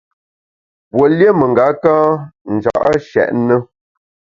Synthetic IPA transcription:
pwo˨lje˦mə˨ŋɡa˨˦kãː˦n̩˨d͡ʒa̰˨ʔə̰˦ʃɛ̰˨ʔnə˦

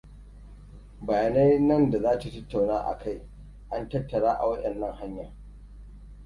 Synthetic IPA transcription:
bɐ˨jaː˨na˦jnɐ˦nda˨zaː˦ta˨tɐ˦tːa˨wnaː˦ʔa̰˨kʰa˦˨j | ʔa˦ntɐ˦tːɐ˨ɽaː˦ʔa̰˨wɐ˦ɗɛ˨nːɐ˦ŋha˦ɲja˨

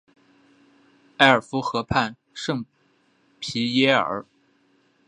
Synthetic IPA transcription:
a˥˩ɪə˞˨˩fu˧˥xɤ˧˥pʰa˥˧n | ʂɤ˥˩ŋ | pʰi˧˥jɛ˥ə̰˞˧˥

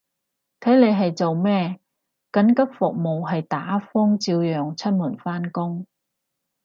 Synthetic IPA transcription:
t̪ʰɐ˨˥jle˨˧jɦɐ˨jt͡so˨wmɛː˥˩ | kɐ˨˥nkɐ˥p̚fʊ˨k̚mo˨wɦɐ˨jt̪aː˨˥fɔː˥ŋt͡siː˧wjœː˨ŋt͡sʰɐ˥t̚muː˨˩nfaː˥nkʊ˥ŋ

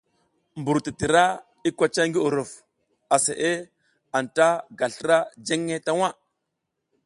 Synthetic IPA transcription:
mbu˨ɾti˨ti˨ɾa˦ | i˦kʷa˦t͡ʃa˦ŋɡi˦u˨ɾu˨f | a˨se˨ʔe˦ | a˨nta˦ɡa˨ɬə˦ɾa˦d͡ʒe˦ŋːe˦ta˦wa˦

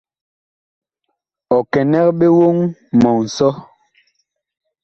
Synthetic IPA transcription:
ɔ˨kɛ˨nɛ˦k̚ɓe˦wo˦ŋmɔ˨ŋ̩˨sɔ˦

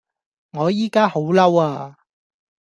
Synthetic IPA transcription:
ŋɔː˨˧jiː˨˥kaː˥ho˨˥wlɐ˥waː˧

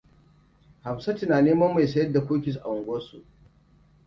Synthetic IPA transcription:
ha˨msa˦tɪ˨naː˨neː˦mɐ˦mːa˨jsɐ˦jɐ˦da˨kʷoː˦kʲɪ˨s̬ʔa̰˨wʊ˨ŋɡʷoː˦sṵ˨ʔ

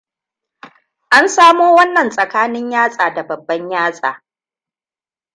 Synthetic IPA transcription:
ʔa˦nsaː˦muː˦wɐ˦nːɐ˨nsʼɐ˨kaː˦nɪ˦ɲjaː˦sʼaː˨da˨bɐ˨bːɐ˦ɲjaː˦sʼa̰ː˨

